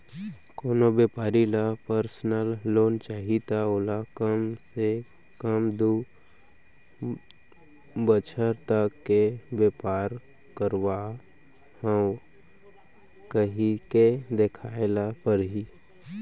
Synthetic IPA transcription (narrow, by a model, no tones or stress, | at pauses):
koːnobeːpaːɾilapəɾsnəlːoːnt͡ʃaːɦit̪aolakəmse | kəmd̪u | bət͡ʃʰəɾt̪akːebeːpaːɾ | kəɾwa | həw | kəɦiked̪ekʰaːɪlapəɾɦi